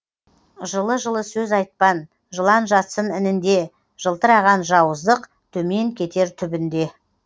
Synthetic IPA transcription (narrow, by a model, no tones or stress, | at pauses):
ʒəlˠəʒəlˠəsɵzɑjt̪̚pɑn | ʒəlˠɑnʒɑt̪sənɪnɪnd̪e̞ | ʒ̥əlˠt̪əɾɑʁɑnʒɑwəzd̪əq | t̪ʰɵme̞ŋkʲʰe̞t̪e̞ɾt̪ʰʏbɪnd̪e̞